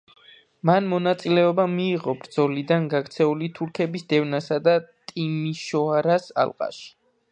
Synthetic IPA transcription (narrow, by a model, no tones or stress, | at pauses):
manmɔnat̪sʼilɛɔbamiːʁɔbɾd̪zɔlid̪anɡaɡɾt̪sʰɛulit̪ʰuɾkʰɛbisd̪ɛvnasad̪at̪ʼimiʃɔaɾasa̰lˠqʼa̰ʃi̥